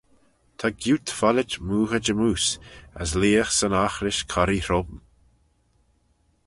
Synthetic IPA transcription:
t̪ʰaɡjuːt̪falɪt͡ʃmuːxəd͡ʒəmuːsa̰sliːəxsənaxɾɪʃkʰaɾiɾɔbm

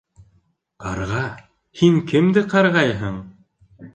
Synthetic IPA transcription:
qɑ̰ɾʁɑ | hiŋkɘmd̪ɘqɑɾʁɑjɦɤɴ

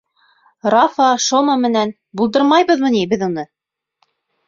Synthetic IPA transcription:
rɑfɑʃomɑmɘ̆næn | bulˠd̪ɤɾmɑjβɤðmɤ̆nibɘðunɤ

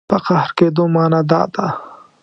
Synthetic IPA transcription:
pəqahɾkeːd̪omɑːnad̪ɑ̰ːd̪a

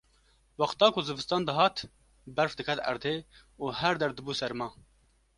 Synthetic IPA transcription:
wɑxt̪ɑːkʊzɨbɨst̪ɑːnd̪ɨɦɑːt̪ | bɛɾfd̪ɨkʰɛt̪ɛ̰ɾd̪eː | uːhɛɾd̪ɛɾd̪ɨbuːsɛɾmɑː

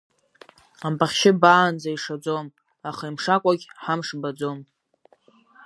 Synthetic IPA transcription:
ampʼaχʲʃɪbaːnd͡zaiʂad͡zom | aχaimʂakʷʼaɡʲħamʂbad͡zom

